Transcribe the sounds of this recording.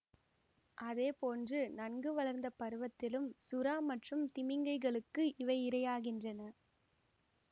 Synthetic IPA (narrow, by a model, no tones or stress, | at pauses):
ʔɐðeːpoːndrɯnɐnɡɯʋɐɭɐɾnd̪ɐpɐɾɯʋɐt̪ːɪlɯmsʊɾaːmɐʈrɯmt̪ɪmɪŋɡɐɪɣɐɭɯkːɯʔɪʋɐɪɪɾɐjaːɣɪndrɐnɐ